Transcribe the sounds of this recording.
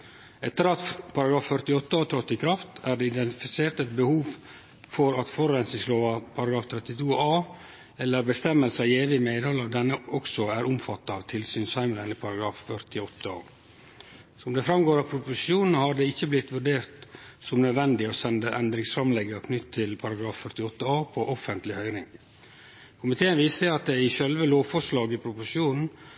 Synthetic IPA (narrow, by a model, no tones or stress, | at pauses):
ɛt̪ːəɾɑt̪pʰɑɾɑɡɾɑːffœɾt̪ɪɔt̪ːəɑt̪ʰɾɔt̪ːɪkʰɾɑft̪æːɖɛɪd̪ɛnt̪ɪfɪseːɾt̪ɛt̪̚bəhuːʋ | fɔɾɑt̪fɔɾɾɛnsɪŋsloːʋɑpʰɑɾɑɡɾɑːft̪ʰɾɛt̪ːɪt̪ʰuːɑː | ɛlːəɾbəst̪ɛmːəlsəɑeːʋɪmeːd̪hɔlːəd̪ɛnːəɔksɔæɾʔʊmfɑt̪ːəɑʋt̪ʰɪlsyːnsɑɪmələnɪpʰɑɾɑɡɾɑːffœɾt̪ɪɔt̪ːəo̰ | sɔʊmd̪ɛfɾɑmɡoːɾɑpʰɾʊpʊsɪuːnn̩hɑɖ̪ɛɪçːəblɪt̪ːʋʉɖeːɾt̪sɔmnœd̪ʋɛnd̪ɪɔsɛnd̪əʔɛnd̪ɾɪŋsfɾɑmlɛɡːəkʰnʏt̪ːt̪ʰːɪlpʰɑɾɑɡɾɑːffœɾt̪ɪɔt̪ːəɑːpʰɔʔɔfənt̪lɪhœʏɾɪŋ | kʰʊmɪt̪ʰeːənʋiːsɛɑt̪̚d̪ɛɪʃɛlʋəloːʋfɔʂlɑːɡɪpʰɾʊpʊʂɪuːnn̩